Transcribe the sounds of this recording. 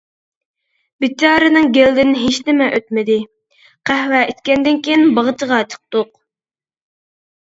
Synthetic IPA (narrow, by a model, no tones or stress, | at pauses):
bɪt͡ʃʰɑːɾɨnɨŋɡʲeld̪ɪnɦeʃnɪmɛʔøt̪mɪd̪ɪ | qʰæhwɛit̪kʲɛnd̪ɪnkʲʰejinbɑʁət͡ʃʰəʁɑt͡ʃʰə̥q̚t̪ʊq̚